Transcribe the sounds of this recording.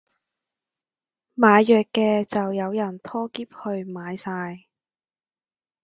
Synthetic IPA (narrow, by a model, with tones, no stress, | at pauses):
maː˨˧jːœː˨kːɛː˧t͡sɐ˨wjɐ˨˧wjɐ˨˩nt̪ʰɔː˥kiː˥p̚hɵ˧ɥmaː˨˧jsaː˧j